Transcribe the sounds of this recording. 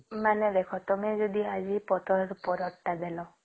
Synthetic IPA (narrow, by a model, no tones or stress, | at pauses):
maned̪ekʰɔt̪ɔmed͡ʒod̪iad͡ʒipɔt̪ʰɔɾupɔɾɔʈːad̪elɔ